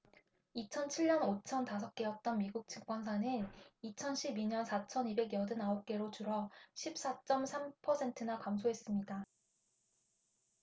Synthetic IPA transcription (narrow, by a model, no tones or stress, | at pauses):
it͡ɕʰʌnt͡ɕʰiɭɲʌnot͡ɕʰʌntas̬ʰʌk̚k͈e̞jʌt̚t͈ʌnmiɡuk̚t͡ɕɯkk͈wansʰanɯnit͡ɕʰʌnɕʰibiɲʌnsʰat͡ɕʰʌnibe̞ɡjʌdɯnaʌp̚k͈e̞ɾot͡ɕuɾʌɕʰip̚s͈at͡ɕ͈ʌmsʰampʰʌsʰe̞ntʰɯnakamsʰoɦe̞s͈ɯmɲida